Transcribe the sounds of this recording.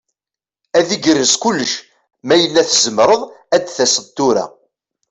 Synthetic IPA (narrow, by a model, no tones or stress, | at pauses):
æðiɡəɾːəskʊlːəʃ | mæjəlːæθəzəmɾəðˤæd̪θæsəðt̪ːuɾa̰